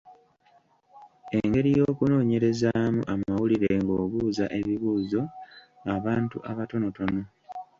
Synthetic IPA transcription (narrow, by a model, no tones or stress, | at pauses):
e̞ŋɡe̞ɾijo̞ːkuno̞ːɲe̞ɾe̞zaːmṵʔamawuliɾe̞ŋɡo̞ːβuːzaʔe̞βiβuːzo̞ | ŋaβaːntuʔaβato̞no̞tono̞